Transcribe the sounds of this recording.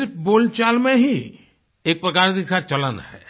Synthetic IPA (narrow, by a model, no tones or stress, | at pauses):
pboːlt͡ʃaːlmẽɦi | eːk̚pɾəkaːɾd̪ikʰat͡ʃɐlənɦɛ̰ː